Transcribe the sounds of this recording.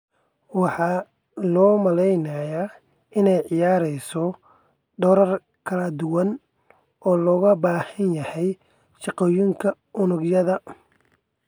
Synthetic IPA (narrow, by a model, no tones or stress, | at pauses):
wɑħɑː | lɔːmɐlɛjnaːjaː | ɪnɛjʕɪjaːɾɛjsɔ | ɖɔɾɐr | kʰɐlɐd̪ʊwɐn | ʔɔːlɔːɣɐbaːhɐnjɐhɛj | ʃɑqɔːjɪŋkʰɐ | ʔʊnʊɡjɐðɐ